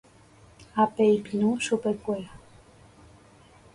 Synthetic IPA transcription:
apejpinũʃupekʷea

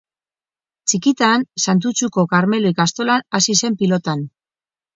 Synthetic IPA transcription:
t͡ʃikit̪aːnsant̪̬ut͡suko̞kaɾme̞luikast̪o̞lanasise̞mpilo̞t̪an

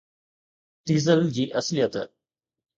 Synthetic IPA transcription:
t̪iːzəld͡ʑiːʔɐslijət̪

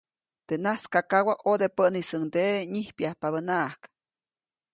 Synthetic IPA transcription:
d̪̥enaskakawaʔod̪epənisəŋd̪eɲihpjahpaβənaʔk

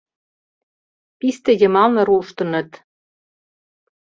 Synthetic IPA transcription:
pist̪ĕjə̆mɑlnɤ̆ɾuʃt̪ɤ̆nɤ̆t̪

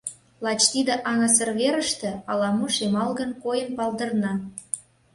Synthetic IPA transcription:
lɑt͡ɕt̪id̪ə̆ʔɑŋɑs̬ə̆rβeɾəʃt̪ĕɑlɑmuʃemɑlɣə̆nkojəmpɑlˠd̪ə̆rnɑ

